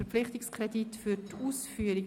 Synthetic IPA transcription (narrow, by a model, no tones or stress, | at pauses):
ɛp͡flɪχtɪkskʁɛditfytuːsfyːəɾi